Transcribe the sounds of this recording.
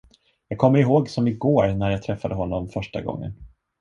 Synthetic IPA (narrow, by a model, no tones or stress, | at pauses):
jɑːɡ̚kʰɔmːəɾɪɦoːɡsɔmɪɡoːɾnæɾjaɡ̚t̪ʰɾɛfːad̪əɦɔnːɔmfœʂʈa̰ɡɔ̰ŋːə̰n